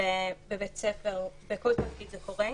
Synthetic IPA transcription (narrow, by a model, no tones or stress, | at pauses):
ebebet͡sefeʁbekolt̪afkid̪zekoʁe